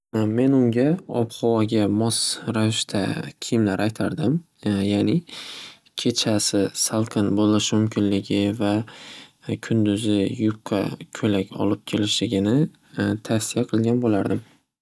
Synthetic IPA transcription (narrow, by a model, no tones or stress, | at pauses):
me̞nʊŋɡʲaɒpχɒwɒɡʲamɒsɾavɪʃt̪ʰa̰kʲʰijɪmlaɾʔajt̪ʰaɾd̪ɪm | jaːnɪ | kʲʰe̞t͡ʃʰasɪsalˠqʰɨnbolɪʃmʊmkʲʰɪnlɪɡʲɪva | kʲʰʊnd̪ʊzɪjʊp̚qʰːɑ̰kʲʰɵlakʲɒ̰lˠɪp̚kʲʰe̞lɪʃlɪɡʲɪnɪ | t̪ʰasijaqʰɨlˠɡʲanbolaɾd̪ɪm